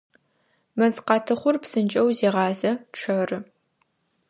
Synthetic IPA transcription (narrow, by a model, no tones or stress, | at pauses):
mɐzqɑːtʰɨχʷʊrpsɨnt͡ʃʼɐwzeːʁɑːzɐʈ͡ʂʰɐrɨ